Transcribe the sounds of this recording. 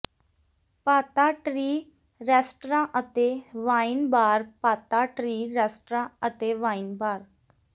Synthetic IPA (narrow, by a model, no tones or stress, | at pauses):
paːt̪aʈɾiː | ɾɛːsʈɾãʔət̪eʋãːinbaːɾpaːt̪aʈɾiːɾɛːsʈɾãət̪eʋaːinbaːɾ